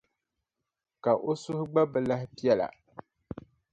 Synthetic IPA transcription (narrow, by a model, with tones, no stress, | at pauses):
ka˨ʔo˦sʊ˦hʊ˦ɡ͡ba˦bɛ˨la˦ɦɪ˦pi˦ɛ˦la̰˨